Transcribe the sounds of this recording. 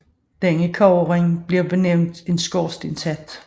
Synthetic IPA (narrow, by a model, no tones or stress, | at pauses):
d̥æŋəkʰɒʁeŋb̥liɐb̥e̝neʊ̰nd̥e̝nsɡ̥ɒːsd̥ensæd̥